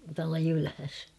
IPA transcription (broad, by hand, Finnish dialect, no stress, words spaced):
tuɑlɑ jylhæs